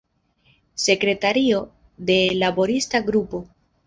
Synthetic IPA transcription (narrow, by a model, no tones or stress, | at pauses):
se̞kɾe̞taɾio̞ | de̞labo̞ɾistaɡɾupo̞